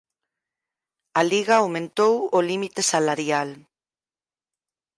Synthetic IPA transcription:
aliɣaawmẽnt̪owolimit̪esalaɾjal

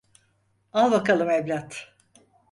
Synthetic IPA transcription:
alˠbakalˠɯmeblʲat̪

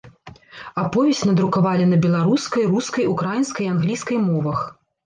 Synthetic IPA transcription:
apɔvʲɛsʲtʲnɐd̪ɾukavalʲinɐbʲɛlˠaɾuskɐjruskɐjukɾajinskɐjanɣlʲiskɐjmɔvɐx

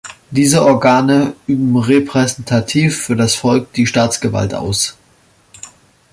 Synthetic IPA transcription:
d̥iːzəʔɔɐɡaːnəʔyːbm̩ʁepʁ̥ɛzɛntʰatʰiːfːyːɐdasfɔlk̚d̥iːʃtaːt͡sɡ̥əva̰ltʔa̰ʊs

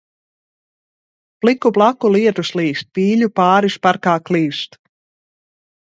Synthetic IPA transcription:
plikublˠakuliɛt̪usliːst̪̚piːʎʲupaːɾispaɾkaːkliːst̪

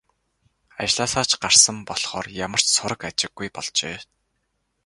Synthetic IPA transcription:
at͡ɕɮaːsaːt͡ɕɢarsə̆mpɔɮχɔːrjamə̆r̥t͡ɕsʊɾə̆kat͡ɕɪ̆ɡːujpɔɮt͡ɕeː

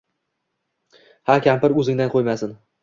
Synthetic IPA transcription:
hakʲampɪɾɵzɪŋd̪anqʰojmasɪn

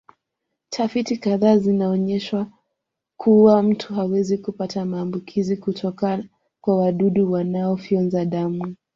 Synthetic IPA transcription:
tʰafitikaðaːzinaɔɲɛʃwa | kʰuwam̩tʰuɦawɛzikupatamaːmbukʰizikutʰɔkaa | kwawaɗuɗuwanaɔfiɔnzaɗamu

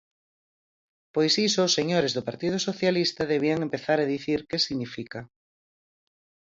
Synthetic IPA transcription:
pojsisʊːsːeɲoɾezðʊpaɾt̪ið̞ʊsoθjalist̪ɐðeβ̞iaŋempeθaɾeðiθiɾkesiɣnifika

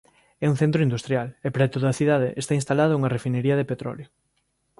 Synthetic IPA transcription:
ɛuŋθẽnt̪ɾʊind̪ust̪ɾjalepɾet̪oðɐːθiðaðḛʔest̪ainst̪alaðʊuŋɐrefineɾiɐðepet̪ɾɔ̰ljo

